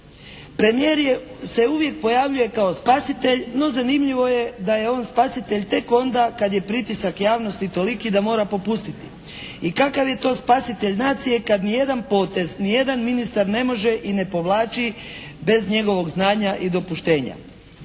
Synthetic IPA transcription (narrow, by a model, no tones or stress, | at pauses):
pɾe̞mijeɾje | se̞uʋje̞k̚po̞jaʋʎuje̞kao̞spasit̪e̞ʎno̞zanimʎiʋo̞je̞d̪aje̞o̞ːnspasit̪e̞ʎt̪e̞ko̞nd̪akad̪je̞pɾit̪isakjaːʋno̞st̪it̪o̞likid̪amo̞ːɾapo̞pust̪it̪i | ikakaʋje̞t̪o̞ːspasit̪e̞ʎnaːt̪sije̞kad̪nije̞d̪anpo̞ːt̪e̞znije̞d̪anminist̪aɾne̞mo̞ʒe̞ʔine̞po̞ʋlˠaːt͡ʃibe̞zɲe̞ɡo̞ʋo̞ɡznaːɲaʔid̪o̞puʃt̪e̞ːɲa̰